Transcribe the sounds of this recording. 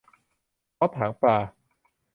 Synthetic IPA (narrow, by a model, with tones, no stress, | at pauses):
ʔɔː˦˥p̪ʰaː˩˦ŋpaː˧˩